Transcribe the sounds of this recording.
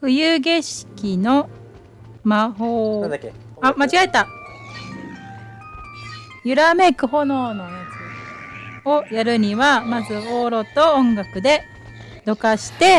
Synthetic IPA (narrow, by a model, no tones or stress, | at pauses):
ɸɯ̟jɯːɡe̞ɕi̥kʲino̞ | maɦoː | amat͡ɕiɡaet̪ːa | jɯ̟ɾame̞kɯ̟ɦo̞no̞ːnoja | ojaɾɯ̟ɲ̟iβamazɨoːɾo̞t̪o̞õŋɡakɯ̟d̪e̞ | d̪̥o̞kaɕi̥t̪e̞